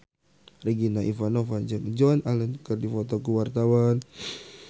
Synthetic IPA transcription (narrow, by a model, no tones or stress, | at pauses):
riɡinaʔifanofad͡ʒəŋd͡ʒɔnalənkərdifot̪ɔkuwart̪awan